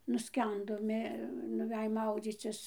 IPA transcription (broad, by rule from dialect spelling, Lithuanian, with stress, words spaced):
nʊˈsʲkʲɛndoː ˈmʲeː nʊˈʋʲɛj ˈmɐʊd͡zʲiːt͡sʲɪs